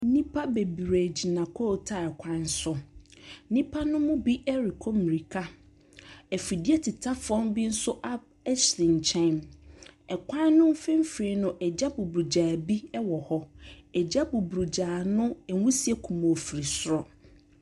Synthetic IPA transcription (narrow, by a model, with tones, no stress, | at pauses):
n̩˦nĩ˦pʰa˦be˨bɾe˨d͡ʑi˨nã˨kʰɔ˦˨tʰa˦˨ɛ˨kʷʰã˦n˦sʊ˦ | nĩ˦pʰa˦nʊ̃˦mʊ̃˦bi˦ʔɛ˦ɾi˨kʰɔ˦mi˨ɾi˨kʰa˦ | ɛ˨fi˨di˦ɛ˦tʰi˨tʰa˦fɔ̃˦mbi˦n̩˦sʊ˦ʔa˦ | ɛ˦slĩ˨n˨t͡ɕʰɛ̃˦˨m | ɛ˨kʷʰã˦nːʊ̃˦m˦fɪ̃˦m̩˦fɾi˦nʊ̃˦ʔɛ˨d͡ʑa˦bu˨bɾu˨d͡ʑaː˨bi˦ɛ˦wɔ˨hɔ˦ɛ˨d͡ʑa˦bu˨bɾu˨d͡ʑaː˨nʊ̃˦ɛ˨˦wũ˦si˦ɛ˦kʰũ˨mɔ˨fi˨ɾi˨sʊ˦ɾɔ˨